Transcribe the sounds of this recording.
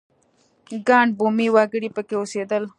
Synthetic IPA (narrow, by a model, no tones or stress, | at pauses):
ɡɑɳbumiwɑɡəɽipəkeosed̪əl